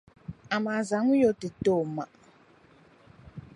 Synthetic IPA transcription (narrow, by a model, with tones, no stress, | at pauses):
a˨ma˨za˨˦ŋu˦jo˨ti˨to˦˨ma̰˨